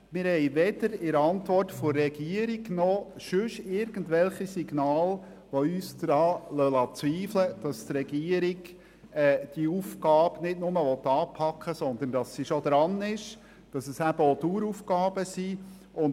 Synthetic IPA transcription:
mɪɾhɛɪʋɛd̥əɾɪɾəɑntʋɔrtfʊːɛɡ̥iəɾiɡnɔ | ʃʏʃɪɾɡ̥əndʋɛlχisiɡnɑːl | ʋoyːsd̪ɾɑːlœlɑt͡sʋiːfləd̥ɑst̪ɾɛɡiəɾiɡ | ɛːd̥iuːfkɑːbnɪdnʊməʋɔt̪ːɑːpʰɑkχəsɔnd̪əndɑsːiʃod̪ɾɑnɪʃ | d̥ɑsəsæb̥əoduːɾufkɑːbəsi | ʊn

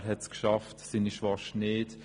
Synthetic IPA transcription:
ɾɦɛtskʃɑftsiniʃvɑʃneːt

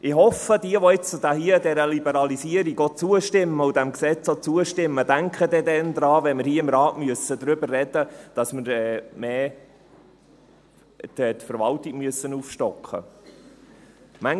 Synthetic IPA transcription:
ʔɪhɔfəd̥̪iəʋɔɪt͡st͡sʊd̪æhiəd̪ɛɾəlibəɾɑlisiəɾiɡot͡suəʃtɪmːəʊd̥æmksɛt͡sot͡suəʃtɪmːəd̥̪æŋkχəd̪ɛd̪ɛnd̪ɾɑːʋɛnmɪɾhiəɪmɾɑːtmyəsəd̥̪ɾʏbərrɛd̥̪əd̥ɑsməɾɛmeː | tɛt̪fəɾʋɑltiɡmyəsːənuːfʃtɔkχə̰ | mæŋ

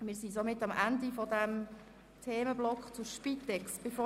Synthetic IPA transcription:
mɪːɾsisomɪtːɑmʔændifɔdɛm | tʰeːməblɔkχt͡sʊɾʃpitːɛksb̥efoː

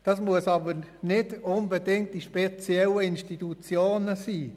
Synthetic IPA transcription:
d̥ɑsmuəsɑbəɾnɪdʊnbedɪŋkt̚d̥iʃpet͡sjɛləɪnʃtitut͡sjoːnəsiː

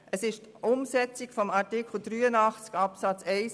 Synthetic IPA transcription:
ʔəsɪʃt | ʔʊmsɛt͡sikfɔmɑɾtɪkl̩ˠd̥̪ɾyːənɑχt͡skɑpsɑt͡sɛɪs

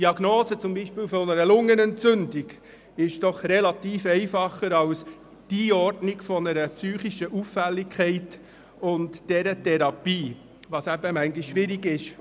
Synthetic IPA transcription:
d̥iɑɡnoːsət͡sʊmbiʃpɪːlfɔnəɾəlʊŋːənɛnt͡sʏndɪɡ | ɪʃd̥ɔχrɛlɑtiːfɛɪfɑχːəɾɑws | d̥iɔrdnɪkfɔnəɾəpsyːχiʃəʔufːɛlːɪkʰχɛɪt | ʊntd̥ɛɾətʰɛɾɑpiː | ʋɑsæbəmæŋɡɪʃːʋɪɾiɡɪʃ

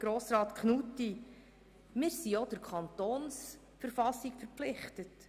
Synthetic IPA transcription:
ɡ̥ɾoːsɾɑːt̪kχnuti | mɪːɾsiod̥əɾkʰɑntoːns | fəɾfɑsikfəɾplɪχtət

